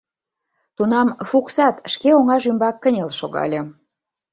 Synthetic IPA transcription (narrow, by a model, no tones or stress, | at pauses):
t̪unɑmfuksɑt̪ʃkeoŋɑʒymbɑkːənʲelʃoɣɑ̰lʲe